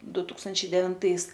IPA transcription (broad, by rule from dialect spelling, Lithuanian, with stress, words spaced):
ˈdʊ ˈtuːkstɐnʲt͡ʃʲɛɪ dʲɛʋʲɪnˈtɐɪs